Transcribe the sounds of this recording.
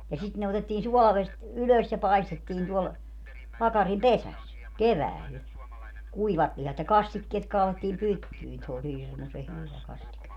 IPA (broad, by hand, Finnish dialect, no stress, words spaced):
jɑ sit ne otetːiːn suɔlɑʋest yløs jɑ pɑestetːiːn tuɔl pɑkɑrim pesæs keʋæːl kuiʋɑt lihɑt jɑ kɑstikːeːt kɑːletːiːm pytːyin se olʲ hirmuse hyʋæ kɑstike